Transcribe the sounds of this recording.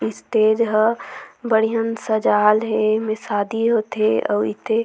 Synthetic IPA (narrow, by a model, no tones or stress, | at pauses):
ɪst̪eːd͡ʒɦəbəɽijənsəd͡ʒaːlɦemesaːd̪iɦot̪eɔ̰ːɪt̪ʰe